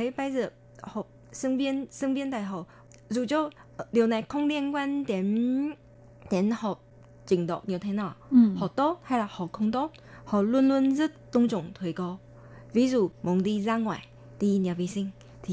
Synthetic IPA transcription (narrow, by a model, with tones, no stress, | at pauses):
ə˨˦jɓa˧jzə̰˧˨ə | hɔ˨˩p̚sə˧ŋvi˧ənsə˧ŋvi˧nt̪a̰ː˧˨jɦɔ˧˨˩ | zu˨˩t͡ɕɔ˧˨ | ɗi˨˩əwna˨˩jxə˧wŋ͡mɗi˧nkwa˧nt̪e˨˦n | t̪i˨˦nhɔ˨˩p̚ | t͡ɕï˧˩ŋɗ̪ɔ̰˧˨ʔni˨˩əwt̪ʰe˨˦naː˨˩hɔ̰˧˩t̪o˦˥t̚ha˧jlaː˨˩hɔ̰˧˨˩xə˧wŋ͡mt̪o˦˥t̚hɔ̰˧˨lu˧ənlu˧ənzə˦˥t̚t̪ʊ˧ŋ͡mt͡ɕʊ̰˧˨ŋ͡mt̪ʰwə˨˩˦jkɔ˨˦ | vi˨˦zṵ˨˩mu˨˦nɗi˧zaː˧ŋwa̰ː˧˨j | ɗi˧nɛ˨˩wvi˧˩sï˧ŋ̟ | t̪ʰi˨